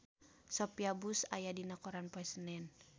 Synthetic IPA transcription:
sɔpiabusa̰jadinakɔɾanpoɛsənɛn

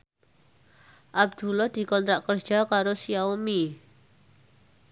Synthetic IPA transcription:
ʔab̚d̪̥ṳlɔd̪̥i̤kɔnt̪ɾaʔkərd̥ʒ̥ɔ̤kaɾosiaomi

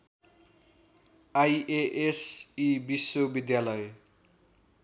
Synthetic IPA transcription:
ajeʔesibisːobid̪jalʌj

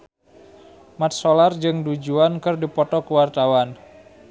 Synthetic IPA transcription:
mat̪̚solard͡ʒɨŋdud͡ʒuankɨrdipɔt̪ɔkəwart̪awan

